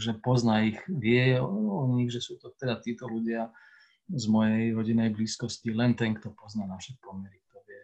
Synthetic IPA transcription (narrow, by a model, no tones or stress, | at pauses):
ʒɛpɔznaixʋɪɛɔɲiɣʒɛsuːt̪ɔt̪ɛd̪at̪iːt̪ɔluɟɪa | zmɔjɛjɾɔɟinɛjbliːskɔscilɛnt̪ɛŋkt̪ɔpɔznanaʃɛpɔmɛɾik̚t̪ɔʋɪɛ